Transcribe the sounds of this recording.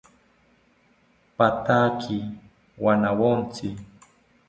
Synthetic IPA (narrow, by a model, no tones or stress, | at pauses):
pat̪akʰɪ | wanawont͡sɪ